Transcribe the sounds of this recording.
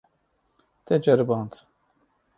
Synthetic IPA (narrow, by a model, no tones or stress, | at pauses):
t̪ʰɛd͡ʒɛɾbɑːnt̪